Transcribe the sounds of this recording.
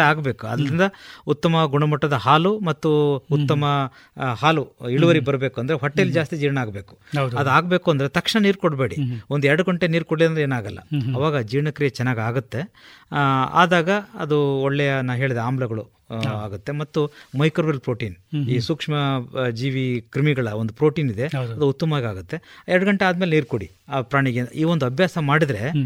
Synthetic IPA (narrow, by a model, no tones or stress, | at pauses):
aːɡbe̞ːkuɐ̰d̪ɐɾind̪ɐut̪ːɐmɐɡuɳɐmɐʈːɐd̪ɐhaːlumɐt̪ːuːt̪ːɐmɐ | haːluiɭuʋɐɾibɐɾbe̞ːkuɐnd̪ɐɾeɦɐʈːejlːid͡ʒaːst̪id͡ʒiːɾɳaːɡbe̞ːku̥dɐd̪uaːɡbe̞ːkuɐnd̪ɐɾe̞t̪ɐkʂɐɳɐniːɾkoɽbe̞ːɽḭond̪uɛɾɐɽɐɡɐɳʈeniːɾkoɽliɾɐnd̪ɐeːnaːɡɐlːɐ̰ɐʋaːɡɐd͡ʒiːɾɳɐkɾijɐt͡ʃɛnːaːɡiaːɡut̪ːe̞ | a̰ːd̪aːɡɐɐ̰d̪uɔɭːɛjɐnaːʋɦe̞ːɭid̪eaːmblɐɡɐɭu | aːɡut̪ːe̞mɐt̪ːumɐjkɐɾʋɐɾlpɾo̞ːʈiːniːsuːkʂmɐd͡ʒiːʋikɾimiɡɐɭɐond̪upɾo̞ːʈiːnid̪e̞ɐd̪uut̪ːɐmɐʋaːɡiaːɡut̪ːe̞ɛɾɐɽɐɡɐɳʈeaːd̪ɐmeleniːɾkoɽḭ | pɾaːɳiɡeiːʋond̪uɐbʱjaːsɐmaːɽid̪ɾe̞